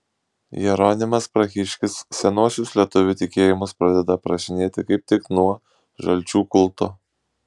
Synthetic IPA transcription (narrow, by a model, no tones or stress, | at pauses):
jɛɾoːnʲɪmɐspɾɐxʲɪʃʲkʲɪsːʲɛnuɔsʲʊslʲiɛt̪ʊʋʲʊt̪ʲɪkʲeːjɪmʊspɾɐd̪ʲɛd̪ɐpɾɐʃʲɪnʲeːt̪ʲɪkɐɪp̚t̪ʲɪknuɔ | ʒɐlʲt͡ʃʲuːkʊlˠˑt̪o